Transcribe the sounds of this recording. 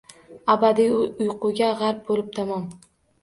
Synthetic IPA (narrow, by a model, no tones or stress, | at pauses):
abad̪iʊjqʊɡʲaʁaɾp̚bolɪp̚t̪ʰamɒm